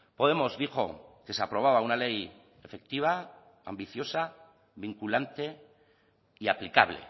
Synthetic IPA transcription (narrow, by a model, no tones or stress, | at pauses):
po̞ð̞e̞mo̞zðixo̞̰ke̞seapɾo̞β̞aβ̞aunale̞j | e̞fe̞k̚t̪iβ̞a | ambiθjo̞sa | βiŋkulant̪e̞ | iaplikaβ̞le̞̰